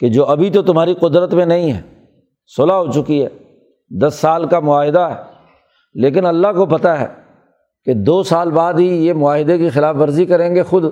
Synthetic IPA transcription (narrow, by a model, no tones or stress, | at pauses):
ked͡ʒoːʔɐbʱit̪ot̪ʊmɦaːɾiqʊd̪ɾət̪mẽnɐĩɦɛ̰ː | sʊlaɦot͡ʃʊkiɦɛ̰ː | d̪ɐsːaːlkamʊaːɦɪd̪aɦɛː | leːk̬ɪnɐlːaɦkopɐt̪aɦɛ̰ː | ked̪oːsaːlbaːd̪ɦijemʊaːɦɪd̪ekixɪlaːfʋɐɾzikɐɾẽːŋɡexʊd̪